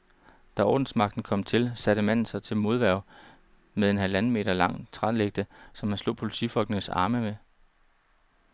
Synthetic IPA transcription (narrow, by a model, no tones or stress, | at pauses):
d̥æɒ̰ːd̥n̩smɑ̈ɡ̥̚d̥n̩kʰɒ̽m̰t͡sʰe̝lsæɾ̥əmæn̰n̩sɑɪt͡sʰe̝lmo̝ð̞ˠʋæɐʊ | meðˠe̝nɦælænəme̝̰ːdɐlɑ̈ŋ̰t͡sʰʁɑ̈leɡ̥̚d̥əsɒ̽mhænslo̰̽ːpʰo̝lit͡sʰifɒ̽l̰ɡ̥ənəsɑ̰̈ːməme